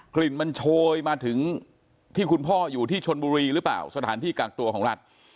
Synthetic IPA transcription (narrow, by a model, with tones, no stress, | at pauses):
kli˨˩nma˧nt͡ɕʰoː˧jmaː˧t̪ʰɯ˩˦ŋ | t̪ʰiː˥˩kʰu˧npʰɔː˥˩juː˨˩t̪ʰiː˥˩t͡ɕʰo˧nbuː˧ɾiː˧ɾɯː˨˦˥pla̰ː˨˩wsa˧t̪ʰaː˩˦nt̪ʰiː˥˩kaː˨˩k̚t̪u˧ɐkʰɔː˩˦ŋɾa˦˥t̪̚